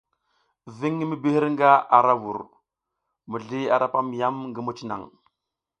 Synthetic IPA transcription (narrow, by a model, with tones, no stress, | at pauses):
vi˦ŋːi˦mi˦bi˦hi˦ɾŋɡa˦ʔa˨ɾa˦wu˨ɾ | mu˨ɮi˦a˨ɾa˦pa˦m˨ja˦mŋɡi˦mu˦t͡ʃi˦na̰˨ŋ